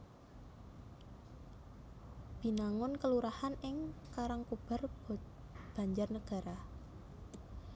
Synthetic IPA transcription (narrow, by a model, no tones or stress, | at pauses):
b̥i̤naŋʊnkəluɾahanɪŋkaɾaŋkub̥a̤r | b̥a̤ɲd͡ʒarnəɡ̥a̤ɾa